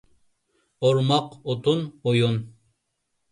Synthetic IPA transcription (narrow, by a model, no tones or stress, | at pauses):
oɾmɑqot̪unojun